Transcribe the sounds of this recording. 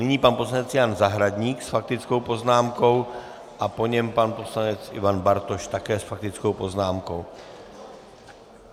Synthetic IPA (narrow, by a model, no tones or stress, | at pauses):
nɪɲiːpanposlaɲɛt͡sjaːnzaɦɾadɲiːksfak̚t̪ɪt͡sko̞wpo̞znaːmko̞w | ʔapo̞ɲɛmpanpo̞slaɲɛt͡sʔɪ̰vanbaɾt̪oʃt̪akɛːsfak̚t̪ɪt͡skowpo̞znaːmkow